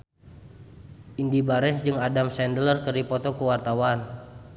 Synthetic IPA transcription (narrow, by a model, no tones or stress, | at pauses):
ʔindibaɾɛnsd͡ʒɨŋadamsɛndələrkəripɔt̪ɔkuwart̪awan